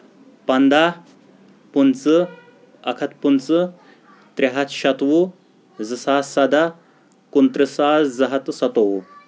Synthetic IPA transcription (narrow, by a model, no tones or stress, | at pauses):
pɐnd̪a | punt͡sɨ | ɐkʰɐt̪punt͡sɨ | t̪ɾeɦat̪ɕɐt̪ʋu | d͡zɨsaːsad̪ʱa | kunt̪ɾəsad͡zɐɦɐt̪sɐt̪owu